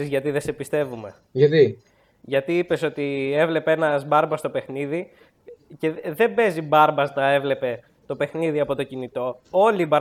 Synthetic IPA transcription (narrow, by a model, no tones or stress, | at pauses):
izʝɐt̪iðe̞sepist̪e̞vume̞ | ʝɐt̪i | ʝɐt̪iipe̞so̞t̪ie̞vle̞peenɐzbɐɾbɐst̪opexniði | ce̞ðe̞be̞zibɐɾbɐst̪ɐe̞vle̞pe̞ | t̪o̞pe̞xniðiɐpo̞t̪o̞cinit̪o̞o̞libɐɾ